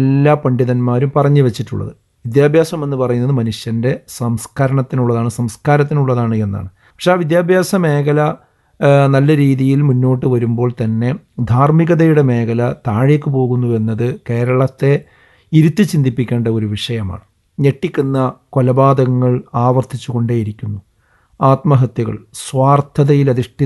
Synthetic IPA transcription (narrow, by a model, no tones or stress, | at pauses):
lːapɐɳɖiðɐnmaːɾumpɐrɐɲːɨʋet͡ɕːiʈːṵɭːɐ̰ðɨ̰ | ʋid̪jaːbʱjaːsɐme̞nːupɐrɐjunːɐðɨmɐnuʂjɐnde̞sɐmskʰɐɾɐɳɐt̪ːinuɭːɐðaːɳɨsɐmskaːɾɐt̪̬ːinuɭːɐðaːɳɨe̞nːa̰ːɳɨ | pɐkʂeaːʋid̪jaːbʱjaːsɐme̞ːkʰɐlɐ | nɐlːɐɾiːðijilmunːo̞ːʈːɨʋɐɾumbo̞ːɭt̪ɐnːe̞d̪ʱaːrmiɣɐðɐjuɽeme̞ːkʰɐlɐt̪aːɻjekːɨp̬o̞ːɣunːuʋe̞nːɐðɨke̞ːɾɐɭɐt̪ːe̞ | iɾut̪ːɨt͡ɕind̪ipːikʲːe̞ːɳɖɐo̞ɾuʋiʂɐjɐma̰ːɳɨ | ɲeʈːikʲːunːɐko̞lɐbaːd̪ɐŋːɐɭaːʋɐrt̪ʰit͡ɕːuɣo̞ɳɖeːjiɾikʲːunːu | aːt̪mɐɦɐt̪jɐɣɐ̰ɭsʋaːrt̪ʰɐðɐjilɐðiʂʈi